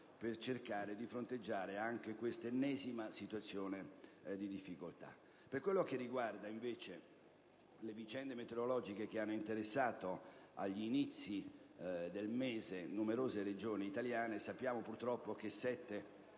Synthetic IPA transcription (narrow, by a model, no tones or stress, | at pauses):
pert͡ʃerkaːɾed̪ifɾont̪ed͡ʒːaːɾeaŋk̟ekwest̪enːɛːzimasit̪wat̪sːjoːned̪id̪ifːikolt̪a̰ | perkwelːok̟erːiɡward̪aiɱveːt͡ʃe | levit͡ʃɛnd̪emet̪eɾolɔːd͡ʒikek̟eanːoint̪eɾesːaːt̪oa̰ʎːinit̪sːi | d̪elmeːzenumeɾoːzeɾed͡ʒoːniːt̪aljaːnesapːjaːmopurt̪ɾɔpːok̟esɛt̪ːe